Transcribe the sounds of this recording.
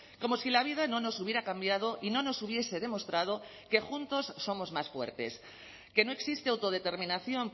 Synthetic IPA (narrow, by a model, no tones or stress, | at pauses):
ko̞mo̞silaβ̞iðano̞no̞suβjeɾakambjað̞o̞ʔino̞no̞suβje̞se̞ð̞e̞mo̞st̪ɾað̞o | ke̞xunt̪o̞sːo̞mo̞zmasfwe̞̰ɾt̪e̞̰s | ke̞no̞e̞ksist̪eawt̪o̞ð̞e̞t̪e̞ɾmĩnaθjo̞ŋ